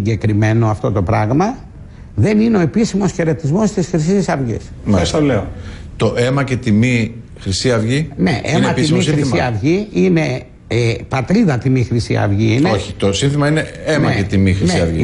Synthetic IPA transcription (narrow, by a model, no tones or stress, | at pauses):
ɟe̞kɾime̞no̞ɐft̪o̞t̪o̞pɾɐɣmɐ | ðe̞nineo̞e̞pisimosçe̞ɾe̞t̪izmo̞st̪isxɾis̬issɐvʝḭs | mesɐleo | t̪o̞ʔe̞mɐce̞t̪imi | xɾisiɐvʝineʔenɐtiimiisiɐvʝiine̞ | epɐt̪ɾiðɐt̪imixɾist̪ḭɐ̰vʝiineoçi̥t̪o̞sinθimɐine̞emɐeet̪imixɾinsiɐvʝi